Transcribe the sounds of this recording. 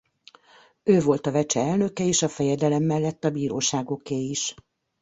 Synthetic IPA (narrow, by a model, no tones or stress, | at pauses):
øːvo̞lt̪ɒvɛt͡ʃɛɛlnø̞kɛeːʃɒfɛjɛd̪ɛlɛmːɛlːɛt̪ːɒbiːɾoːʃaːɡo̞keːiʃ